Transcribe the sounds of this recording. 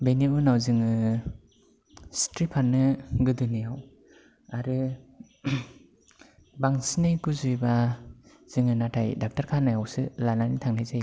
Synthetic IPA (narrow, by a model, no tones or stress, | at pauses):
beniunawzɯŋɯ | stɾipʰanɯɡɯdɯnijaw | aɾɯ | baŋsnikuzujba | z̥ɯŋɯnatʰajdak̚taɾkʰanajawsɯlananitʰaŋnajzaj